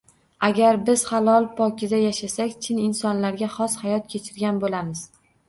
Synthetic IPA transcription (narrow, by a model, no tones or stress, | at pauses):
aɡʲaɾbɪz̥halˠɒlˠpʰɒkʲʰɪd̪ajaʃasakʲt͡ʃʰɪnɪnsɒnlaɾɡʲaχɒshajɒt̪̚kʲʰet͡ʃʰɪɾɡʲanbolamɪz̥